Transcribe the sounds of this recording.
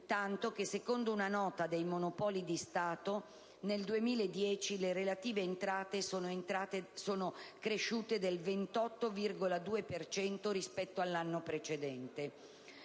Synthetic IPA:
t̪ant̪ok̟esːekond̪ounanɔːt̪ad̪ejmonopɔːlid̪ist̪aːt̪o | neld̪uemiːlaed̪ːjɛːt͡ʃileɾelat̪iːveːnt̪ɾaːt̪esonoeaesoːnokɾeʃːuːt̪ed̪elvent̪ɔt̪ːovirɡolad̪uːepert͡ʃɛnt̪oɾispɛt̪ːoalːanːopɾet͡ʃed̪ɛnt̪e

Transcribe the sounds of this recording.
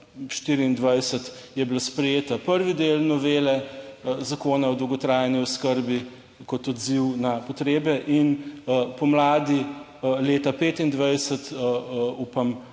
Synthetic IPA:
ʃt̪iːɾiːnd̪ʋajsət̪jɛbilaspɾɛjeːt̪apəɾʋid̪eːlnɔʋeːlɛzakoːnaɔd̪əwɡɔt̪ɾaːjniɔskəɾbi | kɔt̪ɔd̪ziwnapɔt̪ɾeːbɛʔinpɔmlaːd̪i | leːt̪apeːt̪ind̪ʋajsət̪ | uːpɐm

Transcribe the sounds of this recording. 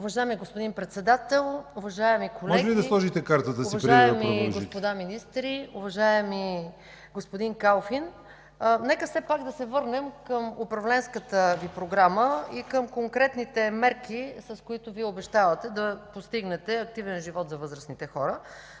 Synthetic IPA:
ʊvɐʒaɛmiɡospʊd̪inpɾɛt̪sɛd̪at̪ɛlˠʊvɐʒaɛmikolmɔʒɛɛlid̪ɐslˠɔʒit̪ɛkaɾt̪ət̪əsoivɐʒɾiajɛmɾiʒɡospod̪aminist̪ɾiʊvɐʒaɛmi | ɡospod̪iŋkalˠfin | nɛkəfsɛpaɡd̪ɐsɛvɤɾnɛmkəmopɾɐvlɛnskət̪əvipɾoɡɾaməikəmkoŋkɾɛt̪nit̪ɛmɛɾk̟isɐskoit̪ʊviɛoʊbɛʃt̪avət̪ɛd̪ɐpost̪iɡnɛt̪ɛɐk̚t̪ivɛnʒivɔt̪zɐvɤzɾəsnit̪ɛxɔɾə

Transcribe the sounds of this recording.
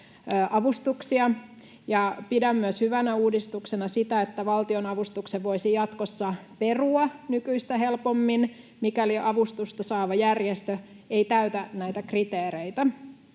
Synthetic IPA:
ʔɑʋust̪uksiɑ | jɑpidæmːyæshyʋænæuːdist̪uksenɑsit̪æet̪ːæʋɑlt̪io̞nɑʋust̪ukseʋʋoisijɑt̪kosːɑperuɑnykyist̪æɦelpomːin | mikæliʔɑʋust̪ust̪ɑsɑːʋɑjærjest̪ø | eit̪æyt̪ænæit̪ækrit̪eːɾeit̪æ

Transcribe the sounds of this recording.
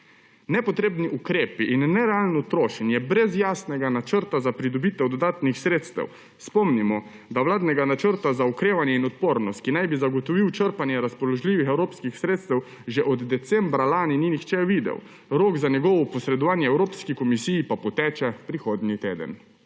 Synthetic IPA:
nɛpɔt̪ɾeːbniʔukɾeːpiʔinːɛɾɛalnɔt̪ɾoːʃɛnjɛbɾɛzjaːsnɛɡanat͡ʃəɾt̪azapɾid̪ɔbiːt̪ɛwd̪ɔd̪aːt̪nixsɾeːt̪st̪ɛ̰w | spɔmnimɔ | d̪aʋlaːd̪nɛɡanat͡ʃəɾt̪azaukɾeːʋanjɛinɔt̪poːɾnɔst̪̚kinajbizaɡɔt̪ɔʋiwt͡ʃəɾpanjɛɾaspɔlɔʒliːʋixɛwɾoːpskixsɾeːt̪st̪ɛw | ʒɛʔɔd̪d̪ɛt̪sɛmbɾalaːnininixt͡ʃɛʋid̪ɛ̰w | ɾoːɡzanjɛɡɔʋɔpɔsɾɛd̪ɔʋaːnjɛɛwɾoːpskikɔmisijipapɔt̪ɛːt͡ʃɛpɾixoːd̪nit̪ḛːd̪ə̰n

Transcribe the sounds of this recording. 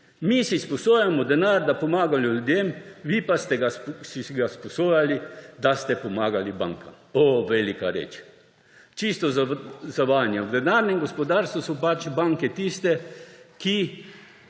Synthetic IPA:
misispɔsoːjamɔd̪ɛnaɾd̪apɔmaːɡalʲjulud̪jemʋipast̪ɛɡasisɡaspɔsoːjalid̪ast̪ɛpɔmaːɡaliba̰ŋkam | oʋelikaɾḛːt͡ʃ | t͡ʃist̪ɔzaʋanjawd̪ɛnaɾnɛmɡospɔd̪aɾst̪ʋusɔpat͡ʃbaŋkɛt̪ist̪ɛki

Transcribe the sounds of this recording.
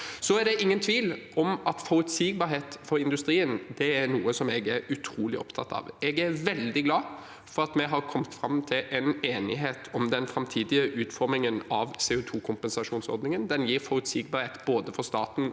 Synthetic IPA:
sɔæɾd̪ɛʔɪŋːənt̪ʰʋiːlɔmɑt̪fɔɾʉt̪siːɡ̚bɑːɾɦeːt̪fɔɾɪnd̪ʉst̪ɾiːənd̪ɛæɾnuːəsɔmɛɡæɾʉt̪ʰɾuːlɪ̰ʔɔ̰pt̪ʰɑt̪ːɑ̰ːʋɛɡæɾʋɛld̪ɪɡlɑː | fɔɾɑt̪mɛɦɑɾkʰɔmt̪fɾɑmt̪ʰɪlʔɛneːnɪɦeːt̪ʰɔmd̪ɛnfɾɑmt̪ʰiːd̪ɪəʔʉːt̪fɔɾmɪŋənɑʋseːʊːt̪ʰuːkʰʊmpɛnsɑʂuːnsɔ̰ɾd̪nɪŋənd̪ɛnjiːɾfɔɾʉt̪siːɡ̚bɑːɾheːt̪boːd̪əfɔɾst̪ɑːt̪n̩

